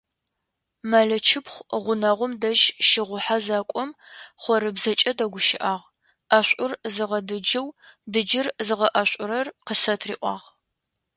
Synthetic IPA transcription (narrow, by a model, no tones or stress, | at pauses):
mɐɮɐt͡ʃʰɪpχʷʁʷʊnɐʁʷʊmdɐʒʃɪʁʷʊħazaːkʷʼɔmχʷɔɾɨbzɐt͡ʃʼɐdɐɡʷʊʃɪʔaːʁ | ɐɕʷʼʊrzɨʁɐdɨd͡ʒɪwdɨd͡ʒɪrzɨʁɐʔɐɕʷʼʊɾɐrqəsɐtʰrḭːʔʷɑ̰ːʁ